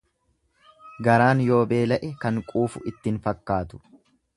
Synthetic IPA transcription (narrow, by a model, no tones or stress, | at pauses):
ɡɐɾaːnjo̞ːbe̞ːlɐʔɛkɐŋkʼuːfʊʔɪt̪ːɪnfɐkːaːt̪ʊ̥